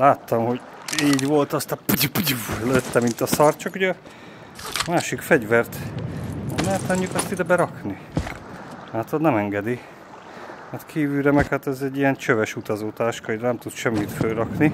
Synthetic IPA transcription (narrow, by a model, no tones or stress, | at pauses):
laːt̪ːɒmho̞ɟ | iːɟʋo̞lt̪ɒst̪ɒpuɟipuɟivløt̪ːɛmint̪ɒsɒrt̪t͡ʃɒkuɟɛ | maːʃikfɛɟvɛrt̪ | ɛmɛt̪ɒɲːukɒst̪id̪ɛbɛɾɒkni | laːt̪ʰod̪nɛmɛŋɡɛd̪i | mɛt̪kʰiːvyːɾɛmɛkhaːt̪ɛzɛɟːijɛnt͡ʃøvɛʃut̪ɒzoːt̪aːʃkɒjd̪ɛnɛmt̪ut̪ʃɛmːit̪føːɾɒkni